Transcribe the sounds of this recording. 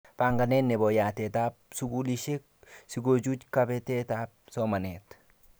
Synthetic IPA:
paːŋɡɐneːnːɛbojaːt̪eːt̪aːb̚sʊɡuːliʃe | sɪɡod͡ʒuːt͡ʃkɐbɛt̪eːt̪aːb̚somɐnet̪

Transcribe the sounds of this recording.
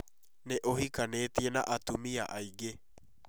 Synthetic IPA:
neʔohikaneːt̪ienaʔat̪umiaʔaiɡe

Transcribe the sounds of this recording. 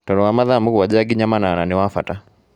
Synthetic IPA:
tɔɾɔwamaðamukuwad͡ʒaɡiɲamanananewafa̰ta

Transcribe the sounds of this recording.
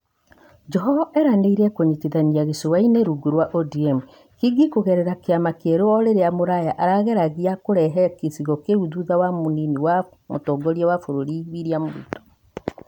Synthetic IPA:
d͡ʒɔɦɔvaʔɛɾaneiɾɛkoɲitiðaɲiaɣesowaineɾuɡuɾwaʔodiɛmu | kiɡikoɣɛɾɛɾakeamakeɾoɔɾeɾeamoɾajaʔaɾaɣɛɾaɣiakoɾɛɦɛkesiɣɔkeuðuðawamoniniwa | motɔːɡɔɾiawafoɾoɾiwiɾiamoɾḭtɔ̥

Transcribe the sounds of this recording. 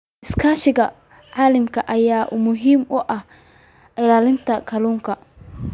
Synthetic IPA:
ʔɪskʰaːʃɪɡɐ | ʕaːlɐmkʰɐʔɐjaːʔʊmʊɦiːmʊʔɐh | ʔɪlaːlɪnt̪ʰɐkʰɐluːŋkʰɐ

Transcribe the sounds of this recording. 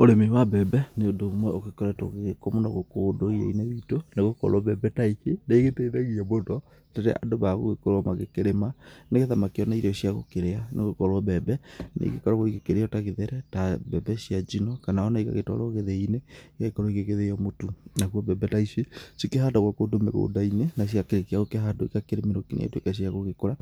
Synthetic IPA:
oɾemewabɛbɛneodomwɛoɣekɔɾɛto̰ɣɣekomonaɣokodoɣiḛinewitoneɣokɔ̰ɾɔβɛbɛtaiseneiɣeteiðaɣiɛbodwɔ | taɾɛ̰ʔa̰doβaɣoɣekoɾwɔmaɣekeɾemaneɣeðamakeɔnaiɾɔʃjaɣokeɾeaneɣokɔɾɔβɛbɛnḛɣekɔɾaɣoiɣekeɾeɔtaɣeðeɾɛtabɛbɛsiad͡ʒinɔkanaɔnaika̰ɣetɔ̰ɾoɣeðeineikaɣekɔɾoiɣeɣeðeɔmotunaɣwɔβɛbɛtaisesikeɦaːndaɣwakodomɛ̰ɣo̰ːndainenaʃ̬jakeɾekiaɣokeɦadoikakeɾemiɾokinḛḛtwḛkas̬iaɣoɣekoɾa

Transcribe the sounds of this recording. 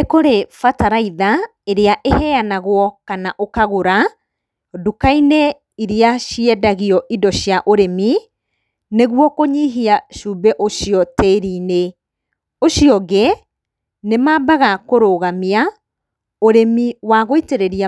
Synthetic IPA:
ekoɾefataɾaiðaeɾeaʔehɛanaɣwɔkanaʔokaɣoɾa | dukainɛ | iɾiaʃiɛdaɣiɔʔidɔɕjaʔoɾemi | neɣwɔkoɲiɦiaʃuːbɛʔoʃijɔtɛɾiːne | oɕiɔɣe | nemaːbaɣakoɾoːɣamia | oɾemiwaɣoiteɾeɾia

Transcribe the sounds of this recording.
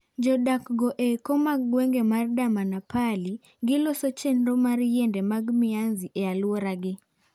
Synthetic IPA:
d͡ʒɔdakɡɔʔekɔmaɡwɛŋɡemardamanapali | ɡɪlɔsɔt͡ʃɛnɾɔmaɾjɛndɛmaɡmɪanziʔɛalwɔɾaɡɪ

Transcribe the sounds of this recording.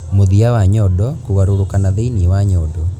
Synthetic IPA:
moðiawaɲɔdɔkoɣaɾoɾokanaðeiniwaɲɔdɔ

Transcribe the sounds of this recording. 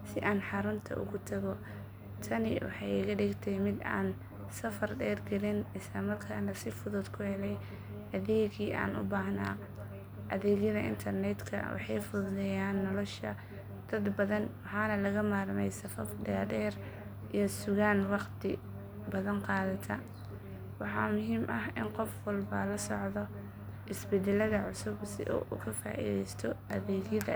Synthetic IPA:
sɪʔaːnħɑɾʊnt̪ʰɐ̰ʔʊ̰ɣʊt̪ʰɐɣɔ | t̪ʰɐnɪ̰wɑ̰ħɑjɪɣɐɖɪɡt̪ʰɛjmɪd̪a̰ːn | sɐfɐrɖɛːrɡɐlɪnɪslɐmɐrkʰaːnɐsɪfʊðʊd̪kʰʊhɛlɛj | ʔɐðɛːɣiːʔa̰ːnʊ̰baːhna̰ː | ʔɐðɛːɣjɐðɐʔɪ̰nt̪ʰɐrnɛt̪kʰɐ̰wɑ̰ħɑ̰jfʊðʊðɛjaːnːɔlɔʃɐ̰ | d̪̥ɐd̪bɐðɐnwɑħɑːnɐlɐɣɐmaːrmɛjsɐfɐfɖɛdɛːr | ʔijɞsʊɣaːnwɑqt̪ʰɪ | bɐðɐnqɑːðɐt̪ʰɐ | wɑħɑ̰mʊɦiːmʔɐɦɪnqɔfwɑlbɐlɐsɔ̰ʕðɔ | ʔɪsbɛd̪ɛlɐðɐʕʊsʊbsɪ̰ʔɔ̰ʔṵːkʰɐfa̰ːʔḭːðɛjst̪ʰɔʔɐðɛːɣjɐðɐ̰

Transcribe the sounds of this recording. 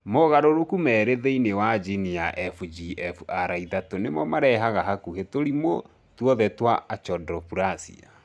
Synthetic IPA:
moɣaɾoɾokumɛːɾeðeinewad͡ʒiniaʔɛfud͡ʒiɛfuaɾaiðatonemɔmaɾɛɦaɣaɦakuhetoɾimo | twɔðɛtwaat͡ʃɔdɾɔpuɾasḭa̰

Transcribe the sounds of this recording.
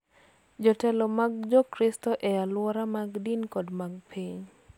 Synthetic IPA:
d͡ʒɔtɛlɔmaɡd͡ʒɔkɾistɔʔɛalwɔɾamaɡdinkɔdmaɡpʰiɲ

